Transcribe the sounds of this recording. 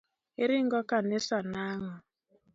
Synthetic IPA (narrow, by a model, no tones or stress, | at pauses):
iɾiŋɡɔkanesanaŋɔ